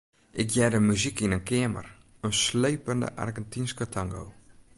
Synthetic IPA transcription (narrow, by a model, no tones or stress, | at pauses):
ʔɪkjɛdəmyzikinənkɪəmə̰r | ənsleːpəndə̰ʔa̰rɡɛntinskətʰaŋɡo̰ː